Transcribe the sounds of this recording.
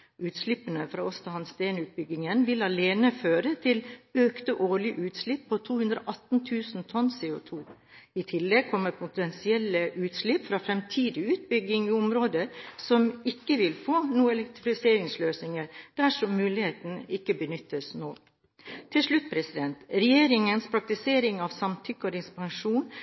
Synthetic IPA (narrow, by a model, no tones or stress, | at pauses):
ʉːt̪slɪpːənəfɾɑːɔst̪ɑhɑnst̪eːnʉːt̪̚bʏɡɪŋənʋɪlɑleːnəføːɾət̪ʰɪløːkt̪əʔoːɭɪʔʉːt̪slɪpʰːɔt̪ʰuːhʉnd̪ɾo̰ʔɑt̪n̩t̪ʰʉːsn̩t̪ʰɔnseːʊt̪ʰuː | ɪt̪ʰɪlːɛɡ̚kʰɔmːəɾpʰʊt̪ɛnsɪɛləʔʉːt̪slɪpːfɾɑːfɾɛmt̪ʰiːd̪ɪʉːt̪̚bʏɡɪŋiʊmɾoːd̪əsɔmɪkːəʋɪlfoːnuːəɛlɛk̚t̪ɾfɪseːɾɪŋsløːsnɪŋəɾd̪̥æʂɔmːʉːlɪheːt̪nɪkːəbənʏt̪ːəsnoː | t̪ʰɪlʂɭʉt̪̚ːpʰɾɛsɪd̪ɛnt̪ɾɛjeːɾɪŋənspʰɾɑk̚t̪ɪseːɾɪŋɑʋsɑmt̪ʰʏkːɔɾɪspɑŋʂuːn